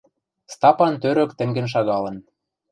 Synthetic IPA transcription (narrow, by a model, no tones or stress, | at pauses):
st̪ɑpɑnt̪øɾø̆kt̪ɘ̆ŋɡɘ̆nʃ̬ɑɣɑlɤ̆n